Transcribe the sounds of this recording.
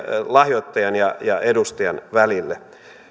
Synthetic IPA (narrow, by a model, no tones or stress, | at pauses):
lɑhjot̪ːɑjɑnjɑjɑedust̪ɑjɑnʋælilːæ